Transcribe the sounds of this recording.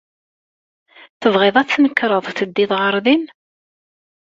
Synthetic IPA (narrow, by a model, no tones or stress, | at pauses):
θəvʁeðˤæθθnəkːɾˤəðˤθəd̪ːɪðˤʁəɾˤðin